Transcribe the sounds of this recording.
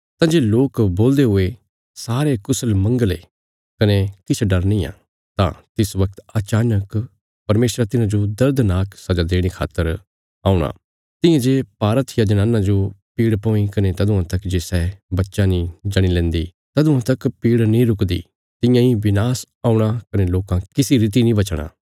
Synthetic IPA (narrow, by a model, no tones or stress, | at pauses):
t̪ãːd͡ʒeːloːkboːld̪eɦʊe | saːɾekʊsəlmɐ̃ŋɡəlḛː | kɐnekɪt͡ʃʰɖɐɾnĩjã̰ː | t̪ã̰t̪ɪsʋɐk̚t̪ɐt͡ʃaːnək | pɐɾmeːsɾat̪ɪnãd͡ʒod̪ɐɾd̪naːksɐd͡ʒad̪eːɽ̃ikʰa̰ːt̪ːəɾ | aːuɽ̃a̰ː | t̪ɪ̃jãd͡ʒeːpaːɾət̪ʰjad͡ʒɐnãːnːãd͡ʒopiːɽpɔ̃ːĩkɐnet̪ɐd̪ʊãt̪ɐkd͡ʒeːsɛːbɐtːʃãnĩd͡ʒɐɽ̃ilɛ̃ːnd̪iː | t̪ɐd̪ʊ̃ãt̪ɐkpiːɽnĩɾʊkd̪ḭː | t̪ɪ̃jãːĩʋɪnaːs | aːuɽ̃akɐneloːkãkɪsiɾɪt̪̬inĩbɐt͡ʃɽ̃a̰ː